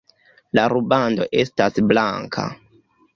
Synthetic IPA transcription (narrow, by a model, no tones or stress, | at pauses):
laɾubando̞̰ʔe̞stasblaŋkʰa̰